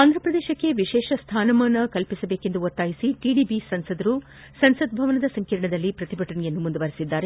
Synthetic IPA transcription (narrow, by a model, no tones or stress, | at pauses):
aːnd̪ɾɐpɾɐd̪eːʃɐkːe̞ʋiʃɛːʃɐst̪ʰaːnɐmɐːnɐkɐlpisɐbe̞ːkend̪uot̪ːaːjisiʈiːɖiːbisɐnsɐd̪ɐɾu | sɐnsɐd̪̚bʱɐʋɐnɐd̪ɐsɐŋkɐɾɐɳɐd̪ɐlːipɾɐt̪ibʱɐʈɐɳɛjɐnːumund̪uʋɐɾisid̪ːaːɾe